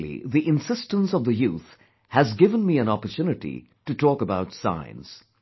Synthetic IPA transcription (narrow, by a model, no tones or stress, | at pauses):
lḭðiʔɪ̃nsɪstə̃nsʌvðəjuθ | hæzɡɪvə̃nmiɨ̃nɑpəɹtʰjunɨʈḭ | tɨtʰɔːkəbaʊtsã̰ɪ̃nz̥